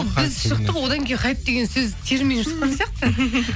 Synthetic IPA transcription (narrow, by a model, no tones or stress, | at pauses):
bɪzʃəq̚t̪əpwo̞d̪ɑŋkʲʰejqʰɑjəp̚d̪e̞ɡʲe̞nsɵzt̪ʰe̞ɾmʲinʃə̥qːɑnsijɑqt̪ə